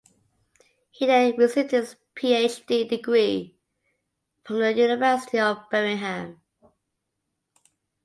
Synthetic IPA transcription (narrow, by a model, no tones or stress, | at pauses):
hideɹɪsɪtɪz̥ | pʰiːeɪt͡ʃdiːdɪɡɹiː | fɹə̃mðəjʉːnɪvɜˑsɪ̥tiəvbɜmɪ̃ŋɦãm